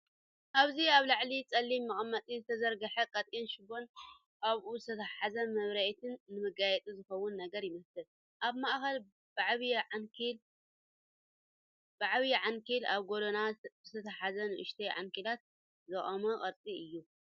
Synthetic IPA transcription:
ʔaβziaβlaʕlit͡sʼɐlːimːɨχʼɐmːɐt̪ʼizɨt̪ʰɐzɐɾɡɐħɐkʼɐt̪ʼinʃɨbo̞n | ʔaβuzɨt̪ʰɐt̪ʰɐħazɐmɐβɾɐʔt̪ʰɨnːɨmɨɡajɛt̪ʼizɨxɐwːʊnːɐɡɐɾjɪmɐslɨl | ʔaβmaʔxɐl | baʕβl | baʕβiʕaŋkʰila̰βɡoɾonaz̥ɨt̪ʰɐt̪ʰɐħazɐnɨʔʊ̰ʃt̪ʰɐjʕa̰ŋkʰilat̪̚ | zɐχʼɐmɐkʼɐɾt̪ʼiɨjːu

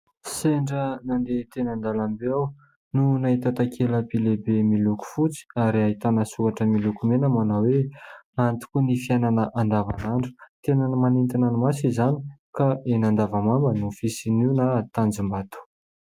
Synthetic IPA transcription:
seɳɖ͡ʐənand̪et̪enand̪alambeaw | nunaɦit̪at̪akʰeləpilebemiluku̥fut͡si̥aɾiaɦit̪anəsukaʈ͡ʂəmilukumenəmanaweant̪i̥kunifiananəʔand̪ava̰naɳɖ͡ʐu̥t̪enanəmanent̪inanumasizani̥kaenand̪avamambənofisiniunat̪and͡zimbat̪u̥

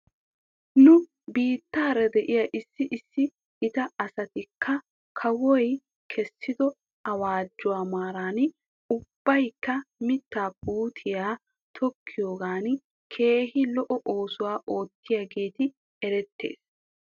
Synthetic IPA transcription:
nʊ | biːt̪ːaːɾɛd̪ɛʔɪjɐʔɪsːɪʔɪsːɪ | ɪt̪ɐɐsɐt̪ɪkʰːɐ | kʰɐwɔj | kʰɛsːɪd̪ɔ | ɐwaːd͡ʒːʊwaːmaːɾaːn | ʊb̥ːɐjkːɐmɪt̪ːaːbuːt̪ʰɪjaː | t̪ʰɔkʰːɪjo̞ːɡaːn | kʰe̞ːhɪlɔʔɔʔoːsʊwaːʔo̞ːt̪ːɪjɐɡe̞ːt̪ɪ | ɛɾɛt̪ːḛːs

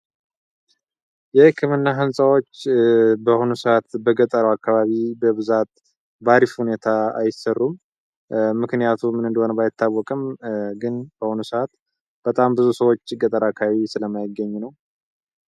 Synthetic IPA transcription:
jɛhɨkʰːɨmɨnːaɦɨnsʼawo̞t͡ʃːbəhonusəat̪bəɡət̪ʼəɾəwakʰːaβaβibəβɨzat̪̚ | baɾifhune̞t̪ʰaa̰jɪsərːum | mɨknɨjat̪ʰumɨnɨnd̪əhonəbajɪt̪ːawːɔkʼɨmɡɨnb̥əhonusəat̪ | b̥ət̪ʼambɨzusəwo̞t͡ʃːɨɡət̪ʼəɾakʰːaaβisɨləmːajɪɡːəɲːunəw

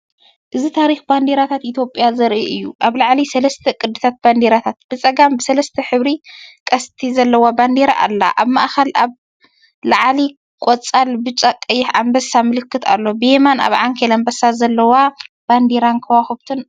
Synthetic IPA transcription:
ʔɨzit̪ʰaɾixband̪eɾat̪ʰat̪ʔit̪ʰjo̞pʼjazɐɾʔiʔɨjːuʔaβlaʕlisɐlɐst̪ʰɐkʼɨd̪ːɨt̪ʰat̪̚band̪eɾat̪ʰat̪̚b̥ɨt͡sʼɐɡambɨsɐlɐst̪ʰɐħɨβɾikʼɐst̪ʰizɐlːɐwaband̪eɾa̰ʔa̰lːa̰ʔaβmaʔxɐlaβ | laʕli | kʼot͡sʼalbɨt͡ʃʼakʼːɐjːɪħʕambɐsːamɨlɨkːɨt̪ʰa̰lːo̞bɨjemana̰βʕaŋkʰelɐmbɐsːazɐlːɐwa | b̥and̪eɾankʰɐwaxɨβt̪ʰɨn

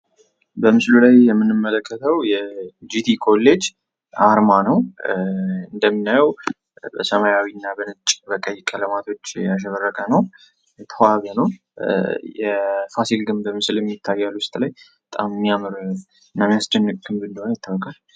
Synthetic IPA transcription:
bəmɨslulajjɛmːɨnːɨmːələkʰːət̪ʰəwjɛd͡ʒit̪ʰikʰo̞lːe̞d͡ʒ | aɾmanəw | ɨnd̪əmːɨnajəw | bəsəmajawinːabənɨt͡ʃʼbəkʼəjːkʼələmat̪ʰo̞t͡ʃːjaʃ̬əβərːəkʼənəw | t̪ʰaβənəw | jɛfasilɡɨmbəmɨslɛmːjɪt̪ʰːajːalːuwʊst̪ʼlajbət̪ʼammːijamɨɾ | ɨnːamːijasd͡ʒ̪ənːɨkʼɡɨmbɨnd̪əhonjɪt̪ʰːəwɔkʼal

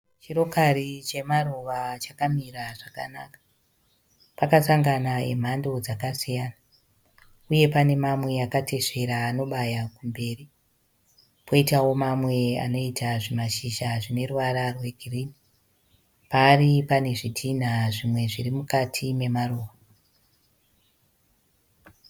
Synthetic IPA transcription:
t͡ʃiro̞kaɾit͡ʃe̞maroʋat͡ʃakamiraʐaka̰nakḁ | pakasaŋɡanaḛm̤ando̞d͡zakasijaːna | uje̞pane̞mamwe̞akate̞se̞ɾaːno̞ɓajakumbe̞ːri | pʰo̞itawo̞mamwe̞a̰no̞itʰaʐimaʃiʃaʐine̞ruwaɾarwe̞ɡʱiriːni | paːripane̞ʐidʰʱin̤aʐimwe̞ʐirimukatʰime̞maroːwa

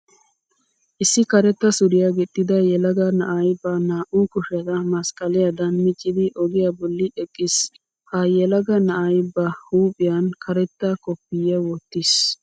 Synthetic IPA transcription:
ʔɪsːɪkɐɾɛt̪ːɐsʊɾɪjɐɡɪt̪ʼːɪd̪ɐjɛlɐɡɐnɐʔɐjbɐnaːʔukʊʃɛd̪ɐmɐskʼɐlɪjɐd̪ɐnmɪt͡ʃʼːɪd̪ɪʔɔɡɪjɐbɔlːɪɛkʼːɪs | hɐjɛlɐɡɐnɐʔɐjbɐhuːpʼɪjɐnkʰɐɾɛt̪ːɐkɔpːɪjɛwɔt̪ːɪs

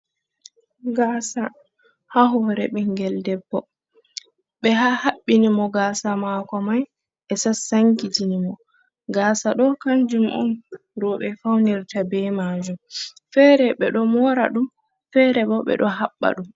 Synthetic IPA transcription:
ɡaːsa | haɦɔɾɛ̰ɓɛŋɡɛldɛbːɔ | ɓɛɦahaɓːinimɔɡaːsamakɔmaj | ʔɛsasaŋkid͡ʒinimɔ | ɡaːsaɗɔkand͡ʒumʔɔ̰nɾɔɓɛfawniɾtabɛmaːd͡ʒumfɛɾɛɓɛɗɔmɔɾa̰ɗum | fɛɾɛɓɔɓɛ̰ɗɔɦaɓːa̰ɗum

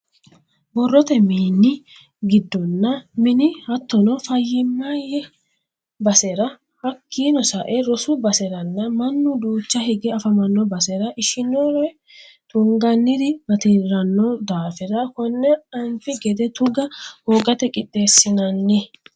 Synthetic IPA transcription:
bɔrːɔt̪ɛmiːnːɪ | ɡɪd̪ːɔnːɐmɪnɪhɐt̪ːɔnɔfɐjːɪmːajɛ | bɐsɛɾɐ | hɐkʰːiːnɔsɐʔɛɾɔsʊbɐsɛɾɐnːɐmɐnːʊd̪uːt͡ʃːɐhɛɡɛɐfɐmɐnːɔbɐsɛɾɐʔɪʃɪnɔɾɛ | t̪ʊŋɡɐnːɪd̪ɪbɐt̪ɪɾɐnːɔd̪aːfɛɾɐkɔnːɛɐnfɪɡɛd̪ɛt̪ʊɡɐhoːɡɐt̪ɛkʼɪt̪ʼːeːsːɪnɐnːɪ

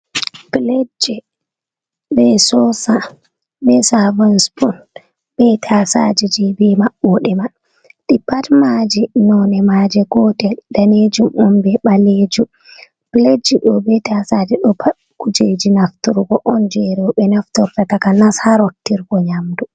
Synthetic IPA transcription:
pled͡ʒɛ | bɛsɔsa | bɛsavansbun | bɛtʰasad͡ʒid͡ʒibɛmaɓːɔɗɛma | ɗipatmad͡ʒinɔnɛmad͡ʒɛɡɔtɛldaned͡ʒumumbɛɓaled͡ʒum | pled͡ʒiɗɔbɛtasad͡ʒiɗɔpa | kud͡ʒed͡ʒinaftuɾɡɔʔɔnd͡ʒɛɾɛɔɓɛnaftɔɾtatakanashaɾotːiɾɡɔɲamdu

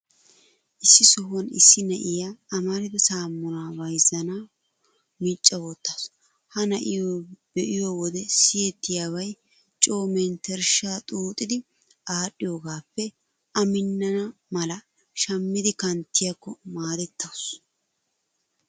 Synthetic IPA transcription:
ʔɪsːɪsɔɦɐnɪsːɪnɐʔɪjaːmɐɾɪd̪ɛsaːmːʊnaːvɐjzɐna | mit͡ʃʼːɐwɔt̪ːɐws | hɐnɐʔɪjoːbɛʔɪjoːwɔd̪ɛsɪjɛt̪ːɪjaːwɐj | t͡ʃʼo̞ːmɛnt̪ɛɾʃaːt̪ʼuːt̪ʼːɪd̪ɪ | ʔaːɗːɪjoːɡaːpːɛ | ʔɐmɪnːɐnɐmɐlɐ | ʃɐmːɪd̪ɪkɐnt̪ːɪjɐkːɔmaːd̪ɛt̪ːɐws

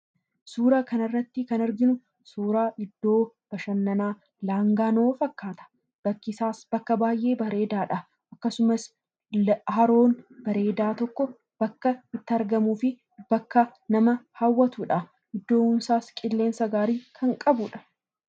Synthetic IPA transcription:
suːɾɐkɐnɐrːɐt̪ːɪkɐnɐɾɡɪnʊ | suːɾaːʔɪd̪ːo̞ː | b̥ɐʃɐnːɐnaː | laːŋɡaːnoːfɐkːaːt̪ɐ̥ | b̥ɐkːɪsaːsbɐkːɐbaːjʔe̞ːbɐɾe̞ːd̪aːᶑɐ | ʔɐkːɐsʊmɐs | hɐɾo̞ːnbɐɾe̞ːd̪aːt̪ɔkːɔ | b̥ɐkːɐɪt̪ːɪɐɾɡɐmuːfɪ | b̥ɐkːɐnɐmɐhɐwːɐt̪uːᶑɐ | ʔɪd̪ːo̞ːʊmsaːskʼɪlːe̞ːnsɐɡaːɾiːkʰɐŋkʼɐbʊᶑɐ̥

